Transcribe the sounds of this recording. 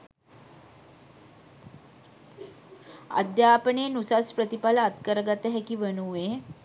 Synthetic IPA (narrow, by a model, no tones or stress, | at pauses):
a̰d̪japəɳenusaspɾət̪ipalaːt̪kəɾɡat̪eɦɛkiːʋənue